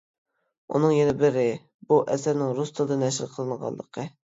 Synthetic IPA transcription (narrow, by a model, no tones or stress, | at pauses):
ṵnɨŋjenɛbɪɾɪ | buʔɛsæɾnɪŋɾust̪ʰɨlˠɨd̪ɨnɛʃɪɾqʰəlˠɨɴʁɑ̰lˠə̰qʰə